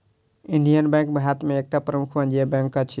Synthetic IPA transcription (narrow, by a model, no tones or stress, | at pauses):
iɳɖijənbɛ̃ŋk̚bʱɦat̪meek̚ʈapɾəmukʰbənd͡ʒiebɛ̃ŋkːat͡ʃʰi